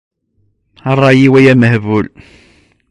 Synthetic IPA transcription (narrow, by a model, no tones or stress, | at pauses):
ɑrˤːɑjiwæjæməhvʊl